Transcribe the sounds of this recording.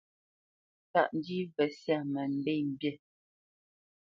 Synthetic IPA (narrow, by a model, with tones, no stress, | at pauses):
ta̰˦˨ʔn˦di˦vɛ˨sja˦˨mə˨n̩˦dɛ˦˨m̩˨bje˦˨